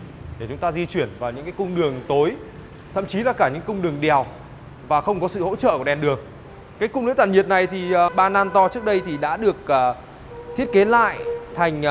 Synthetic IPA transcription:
ɗe˧˩t͡ɕʊ˨˦ŋ͡mt̪aː˧zi˧t͡ɕwi˧˩ənvaː˨˩wɲɨ̰˧˥ŋkaː˨˦jkʊ˧ŋ͡mɗɨ˨˩əŋt̪o˨˦j | t̪ʰə̰˧˨mt͡ɕi˨˦laː˨˩kaː˧˩ɲɨ̰˧˥ŋkʊ˧ŋ͡mɗɨ˨˩əŋɗi˨˩ə˨˩w | vaː˨˩xə˧wŋ͡mkɔ˨˦sɨ̰˧˨ho̰˧˥t͡ɕə̰ː˧˨kɗɛ˨˩mɗɨ˨˩əŋ | kaː˨˦jkʊ˧ŋ͡mɗɨ˨˧˥t̪aː˨˩nɲi˨˩ət̚na˨˩jt̪ʰi˨˩˨ɓaː˧˩naː˧nt̪ɔ˧t͡ɕɨ˦˥ək̚ɗə˧jt̪ʰi˨˩ɗa̰ː˧˥ɗɨ˨˩ək̚ː | t̪ʰi˦˥ət̚ke˨˦la̰ː˧˨jt̪ʰa˨˩jŋ̟

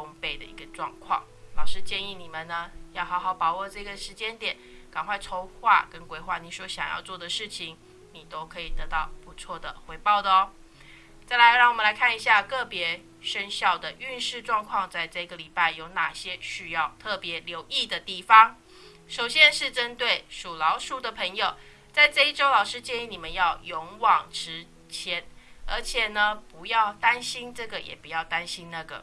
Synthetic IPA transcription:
t̪ʰo˧˥ŋpe˨˩ɪd̪ə̰˨ḭ˧˥ɡə˧ʈ͡ʂwɑ̰˥˧ŋkʰwɑ̰˥˨˩ŋ | lɑ˨˩ʊʂɻ̩˥˧t͡ɕjɛ˥˧ni˥˩ni˨˩mə˨nnə˦jɑ˥˩xɑ˧˥ʊxɑ˨˩ʊpɑ˨˩ʊwɔ˥˩ʈ͡ʂɤ˥˩˧ɡə˩ʂɻ̩˧˥t͡ɕjɛ˦˥nt̪jɛ˨˩˦n | kɑ˨˩ŋkʰwa˥˩ɪt͡sʰo˧˥ʊxwa̰˥˩kə˦nkwe˥ɪxwa˥˩ni˨˩ʂwɔ˥ɕjɑ˨˩ŋjɑ̰˥˧ʊt͡swɔ˥˩d̪ə˩ʂɻ̩˥˩t͡ɕʰi˧˦ŋ | ni˨˩t̪o˥ʊkʰɤ˧˥i˨˩t̪ɤ˧˦t̪ɑ˥˩ʊpu˧˦t͡sʰwɔ˥˩d̪ə̰˩xwe˧˥ɪpɑ˥˩ʊd̪ə˩˦ | t͡sa˥˩ɪla˧˥ɪɻɑ˥˩ŋwɔ˨mə˨˦la˧˥ɪkʰa˥˩ni˧ɕja˥˧kɤ˥˩pjɛ˧˥ | ʂə˦nɕjɑ˥˩ʊd̪ə˩ʔy˥˧nʂɻ̩˥˧ʈ͡ʂwɑ˥˧ŋkʰwɑ˥˧ŋt͡sa˥˧ɪʈ͡ʂɤ˥˩i˧˩ɡə˨li˨˩pa˥˩ɪjo˧˥ʊna˨˩ɕjɛ˦˥ɕy˥jɑ˥˩ʊt̪ʰɤ˥˩pjɛ˧˦ljo˧˥ʊʔi˥˩d̪ə˩t̪i˥˩fɑ˥ŋ | ʂo˨˩ʊɕjɛ˥nʂɻ̩˥˩ʈ͡ʂə˦˥nt̪we˥˩ɪʂu˨˩lɑ˧˥ʊʂu˥˩d̪ə˨pʰə˧˥ŋjo˨˩ʊ | t͡sa˥˧ɪʈ͡ʂɤ˥˧i˥˩ʈ͡ʂo˥ʊlɑ˨˩ʊʂɻ̩˥t͡ɕjɛ˥˦n˥ni˨˩mə˨˦njɑ˥˩ʊjo˧˥ŋwɑ˨˩ŋʈ͡ʂʰɻ̩˧˥ | t͡ɕʰjɛ˧˥nə̰˞˧˥t͡ɕʰjɛ˨˩nə˩pu˧˥jɑ˥˩ʊt̪a˦nɕi˥nʈ͡ʂɤ˥˩ɡə˩jɛ̰˨˩pu˧˦jɑ˥˩ʊt̪a˦nɕi˦nna˥˩ɡə̰˩

